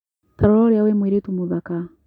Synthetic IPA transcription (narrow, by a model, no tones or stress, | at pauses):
taɾɔlɔɾjawɛmwiɾitumuðaka